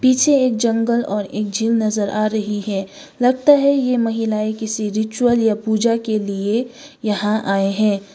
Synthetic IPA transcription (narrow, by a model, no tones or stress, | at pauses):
piːt͡ʃʰeeːk̚d͡ʒɐ̃ŋɡəlɔːɾeːk̚d͡ʒʱiːlnɐzəɾʔaːɾɐɦiɦɛ̃ː | lɐɡ̚t̪aɦɛjemɐɦɪlaːikɪsiɾɪt͡ʃuwəljapuːd͡ʒakeliejɐɦãʔaːeɦɛ̃ː